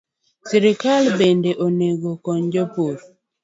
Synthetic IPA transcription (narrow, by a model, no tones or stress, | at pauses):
siɾɪkalbendeʔoneɡokɔɲd͡ʒopoɾ